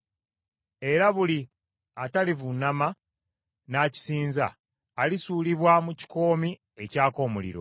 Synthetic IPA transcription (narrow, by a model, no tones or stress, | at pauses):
e̞ɾaβuli | atalivunːama | naːci̥siːnza̰ː | lisuːliβwamuci̥ko̞ːmi | e̞caːko̞ːmulḭɾo̞̰